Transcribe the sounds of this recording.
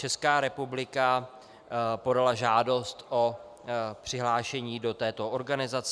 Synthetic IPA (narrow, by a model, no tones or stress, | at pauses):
t͡ʃɛskaːɾɛpublɪka | po̞dalaʒaːdo̞st̪ʔo | pr̥ɪɦlaːʃɛɲiːdo̞t̪ɛːt̪o̞oɾɡanɪzat͡s